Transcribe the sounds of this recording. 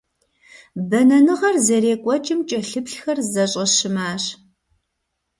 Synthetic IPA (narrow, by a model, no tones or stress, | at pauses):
bɐnɐnɨʁɐrzɐɾeːkʷʼɔt͡ʃʼɪmt͡ʃʼɐɬɨpɬxɐrzɐɕʼɐɕɪmaːɕ